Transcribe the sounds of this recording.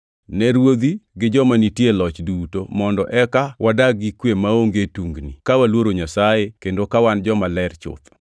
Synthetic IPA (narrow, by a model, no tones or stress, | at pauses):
nɛɾwod̪iɡɪd͡ʒɔmanitjelɔt͡ʃdutomɔndɔʔɛkawʔadaɡikwemaoŋɡetuŋɡnḭkawalwoɾoɲasajekendokawand͡ʒɔmalɛrt͡ʃʊ̰t̪